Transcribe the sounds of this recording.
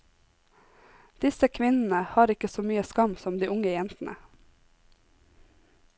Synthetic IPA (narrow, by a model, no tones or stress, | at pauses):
d̪̥ɪsəkʰʋɪnn̩əhɑːɾɪkəsoːmyːəskɑmsɔmd̪iːʔʊŋəjɛnt̪n̩ʔə̰